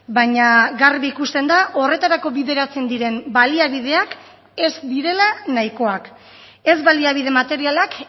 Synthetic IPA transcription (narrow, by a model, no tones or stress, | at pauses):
baɲaɡaɾβiikust̪e̞nd̪aʔo̞re̞t̪aɾako̞βiðe̞ɾat͡se̞nd̪iɾe̞mbaliaβ̞ið̞e̞ak | e̞zd̪iɾe̞lanajko̞ak | e̞zβaliaβ̞ið̞e̞mat̪e̞ɾialak